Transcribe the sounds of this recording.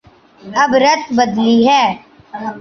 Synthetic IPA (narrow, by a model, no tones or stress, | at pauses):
əbɾət̪bəd̪liːɦɛː